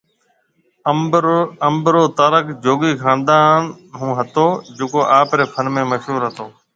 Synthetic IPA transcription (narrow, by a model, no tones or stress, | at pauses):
əmbɾoːt̪əːɾəkd͡ʒoːɡiːkãːnd̪aːn | ɦũːɦət̪oːd͡ʒʊkoːʔaːpɾeːpʰəɾmẽːməʃɦuːɾɦət̪oː